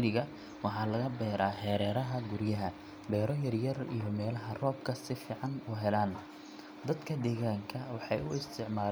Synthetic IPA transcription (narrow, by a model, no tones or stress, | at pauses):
lɪɣɐ | wɑħɑːlɐɣɐbɛːɾʔaːħɛːɾɛːɾɐɦɐɡʊrjɐɦɐ | bɛːɾɔjɐrjɐrḭjɔmɛːlɐɦɐrɔːb̚kʰɐsɪfiːʕɑnuːɦɛlaːn | d̪ɐd̪kʰɐd̪ɛːɣaːŋkʰɐwɑħɑjʔʊɪst̪ʰɪʕmaːl